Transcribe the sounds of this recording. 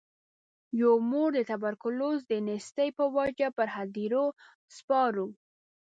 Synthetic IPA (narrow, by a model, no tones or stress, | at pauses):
jomoɽd̪ət̪abaɾkʊlozd̪ənɪst̪əjpəwad͡ʒapəɾɦad̪iɾo | spɑɾu